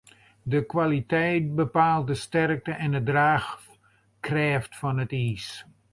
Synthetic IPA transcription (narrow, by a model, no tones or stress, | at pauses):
dəkʋalitɛjt̚bəpaːlˠt̚dəstɛrk̚təʔɛndədraːx | krɛːftfɑnətiːs